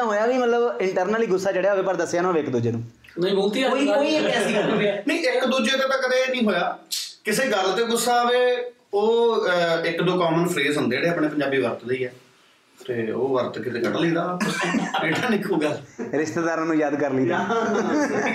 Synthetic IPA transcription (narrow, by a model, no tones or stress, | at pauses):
aːɦoːjaːʋiːmət̪ləbɪɳʈəɾnəliːɡʊsːaːd͡ʒeːɽeaʋeːpəɾd̪əsːjaːnõʋɪkd̪uːd͡ʒeːnũː | nəiboːlt̪iːiːoːiːeɛːsĩːənẽĩːɪkd̪uːd͡ʒeːt̪aːt̪ãːkəd̪eːnĩːɦoːjaːkɪseːɡəlːt̪eːɡʊsːaːʋeː | oː | ɪkd̪õːkɔːmənpʰɾeːzɦʊ̃nd̪eːɽeːəpɳeːpəɲd͡ʒaːbiːʋəɾt̪ləiːɛː | t̪eːo̰ːʋəɾt̪kɪt̪eːɡəʈlĩːd̪aːbeːʈʰaːnɪkʰuːɡalɾɪʃt̪eːd̪aːɾãːnũːjaːd̪kəɾliːd̪aː